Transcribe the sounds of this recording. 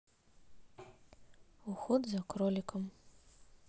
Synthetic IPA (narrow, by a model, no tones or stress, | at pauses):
uxɔd̪zɐkɾɔlʲikɐm